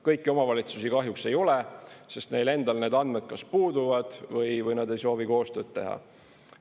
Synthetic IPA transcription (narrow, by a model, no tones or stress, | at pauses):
kɤjkːio̞mɑvɑlʲit̪susikɑɦjukse̞jo̞lɛse̞st̪ne̞jle̞nd̪ɑlne̞ːd̪ɑnd̪̥med̪̥̚kɑspuːd̪uvɑd̪̥vɤjvɤjnɑd̪e̞jso̞ːviko̞ːst̪øːd̪̥t̪e̞ɦɑ̰